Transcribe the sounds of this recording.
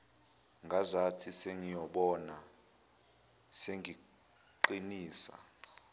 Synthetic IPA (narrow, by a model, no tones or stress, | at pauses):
ŋɡʱazatʰiseŋijɔɓɔna | seŋʱi | ǃiniːsa̰